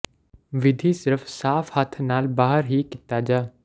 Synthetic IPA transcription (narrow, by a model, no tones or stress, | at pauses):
ʋɪd̪ʱiːsɪɾəfsaːfhət̪ʰnaːlbaːɦəɾɦiːkɪt̪aːd͡ʒaː